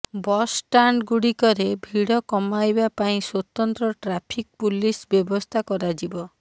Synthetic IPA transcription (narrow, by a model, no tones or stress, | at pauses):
bɔsʈaɳɖɡuɽikɔɾebʱiɽɔkɔmajbapaĩswɔt̪ɔnt̪ɾɔʈɾapʰik̚pulisbjɔbɔst̪ʰakɔɾad͡ʒibɔ